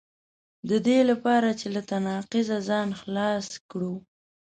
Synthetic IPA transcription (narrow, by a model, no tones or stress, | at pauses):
d̪əd̪elapɑɾat͡ʃelat̪anɑqɪzazɑnxlɑskɽu